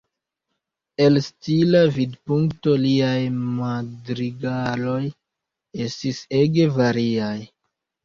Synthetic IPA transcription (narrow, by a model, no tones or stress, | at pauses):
e̞lstilavidpuŋkto̞liajmadɾiɡalo̞j | e̞stise̞ɡe̞vaɾiaj